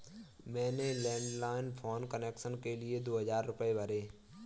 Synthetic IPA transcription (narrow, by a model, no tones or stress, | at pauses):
mɛ̃ːnelɛ̃ːɳɖlaːɪnpʰɔːnkəneːkʃənkelied̪oːɦəd͡ʒaːɾːʊpəebʱəɾeː